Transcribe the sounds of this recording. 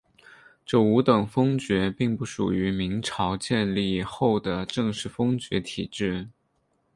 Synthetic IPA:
ʈ͡ʂɤ˥˩u˧˥t̪ɤ˨˩ŋfɤ˥ŋt͡ɕɥɛ˧˥pi˥˧ŋpu˥˩ʂṵ˨˩y˧˥mi˧˥ŋʈ͡ʂʰɑ˧˥ʊt͡ɕjɛ˥˧nli˥˧xo˥˩ʊd̪ə˩ʈ͡ʂɤ˥˧ŋʂɻ̩˥˩fɤ˥ŋt͡ɕɥɛ˧˥t̪ʰi˨˩ʈ͡ʂɻ̩˥˩

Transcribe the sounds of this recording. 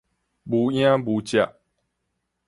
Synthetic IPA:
bu˨˦j̃ã˦bu˨˦t͡ɕja˨ʔ

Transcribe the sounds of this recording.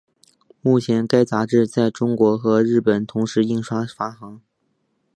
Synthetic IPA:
mu˥˩t͡ɕʰjɛ˧˥nka˥ɪt͡sa˧˥ʈ͡ʂɻ̩˥˧t͡sa˥˩ɪʈ͡ʂʊ˥ŋkwɔ˧˥xɤ˧˥ɻɻ̩˥˩pə˨˩nt̪ʰʊ˧˥ŋʂɻ̩˧˥i˥˩ŋʂwa˥fa˥xɑ˧˥ŋ

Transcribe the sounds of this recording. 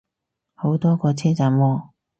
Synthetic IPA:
ho˨˥wt̪ɔː˥kɔː˧t͡sʰɛː˥t͡sa˨˥mɔː˧

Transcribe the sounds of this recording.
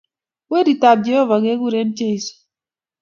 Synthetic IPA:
we˦di˨ta˨b̚d͡ʒɛ˨hɔ˦va˨ɡe˦ɡu˦ɾe˦nt͡ʃe˦˨i˨s

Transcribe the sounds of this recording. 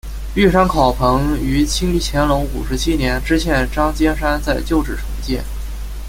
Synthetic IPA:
y˥˩ʂa˥nkʰɑ˨˩ʊpʰɤ˧˥ŋy˧˥t͡ɕʰi˥ŋi˧˥˩t͡ɕʰjɛ˧˥nlo˧˥ʊu˨˩ʂɻ̩˧˥t͡ɕʰi˥njɛ˧˥nʈ͡ʂɻ̩˥ɕʰjɛ˥˩nʈ͡ʂɑ˥ŋt͡ɕjɛ˥nʂa˥nt͡sa˥˧ɪt͡ɕjo˥˧ʊʈ͡ʂɻ̩˥˩ʈ͡ʂʰɤ˧˥ŋt͡ɕjɛ˥˩n

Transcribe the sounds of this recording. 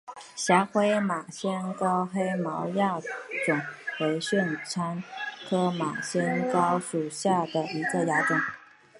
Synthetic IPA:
ɕja˧˥xwe˥ɪma˨˩ɕjɛ˥nkɑ˥ʊxe˥ɪmɑ˧˥ʊja˥˩ʈ͡ʂʊ˨˩˦ŋxwe˧˥ɪɕɛ˥˩nt͡sʰa˥nkʰɤ˥ma˨˩ɕjɛ˥nkɑ˥ʊʂu˨˩ɕja˥˩d̪ə˩i˧˥ɡə˧ja˧˥ʈ͡ʂʊ˨˩˦ŋ

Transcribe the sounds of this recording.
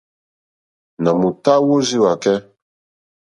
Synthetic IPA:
na˨mu˨ta˦wo˦zi˦wa˨kɛ˦

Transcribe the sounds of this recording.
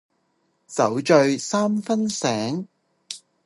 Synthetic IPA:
sɐ˨˥wt͡ʃɵ˧ɥsaː˥mfɐ˥nsɛː˨˥ŋ

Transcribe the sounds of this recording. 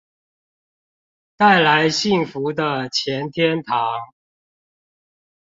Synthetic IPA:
t̪a˥˩ɪla˨˦ɪɕi˥˩ŋfu˨˦d̪ə˧˨t͡ɕʰjɛ˨˦nt̪ʰjɛ˥˦nt̪ʰɑ˨˦ŋ

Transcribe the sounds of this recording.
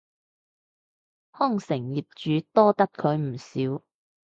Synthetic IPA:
hɔ˥˩ŋsɪ˨˩ŋjiː˨p̚t͡ʃyː˨˧˥t̪ɔː˥t̪ɐ˥kʰɵ˨˧ɥm̩˨˩siː˨˥w

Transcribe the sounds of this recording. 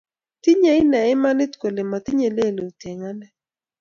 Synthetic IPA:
ti˦ɲa˨ɪ˦na˨ɪ˦ma˦nɪ˦tkwe˨le˨ma˨ti˦ɲe˨le˦˨lo˨u˨te˨ŋa˦nɛ˦

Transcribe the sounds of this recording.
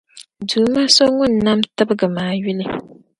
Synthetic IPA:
duː˨ma˦so˦ŋʊ˦˨nː˨a˦mtɨ˦bɨ˦ɡɨ˨maː˨ɥi˦lɪ˦

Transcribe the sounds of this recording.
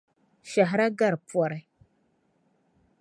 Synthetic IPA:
ʃa˨ɦɾa˦ɡa˦ɾpʷa˨ɾa˨j

